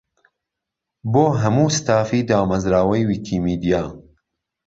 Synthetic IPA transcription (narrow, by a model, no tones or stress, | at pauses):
boːɦɐmuːst̪aːfiːd̪aːmɐzɾaːwɐjwiːkʰiːmiːd̪ijaː